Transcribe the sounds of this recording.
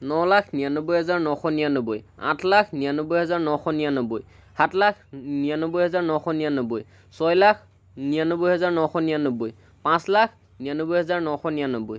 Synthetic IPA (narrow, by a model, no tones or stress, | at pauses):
nɔlakʰnijanobʊjɦɔzaɹnɔxɔnijanobojã̰tʰlakʰnijanobʊjɦɔzaɹnɔxɔnijanobuj | hatʰlakʰnijanobʊjɦɔzaɹnɔxɔnijanoboj | sɔjlakʰ | nijanobujɦɔzaɹnɔxɔnijanobuj | pãslakʰ | nijanobujɦɔzaɹnɔxɔnijanobuj